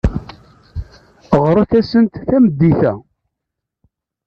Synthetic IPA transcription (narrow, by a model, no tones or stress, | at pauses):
ʁɾˤaθæsənt̪θæmd̪ːiθæ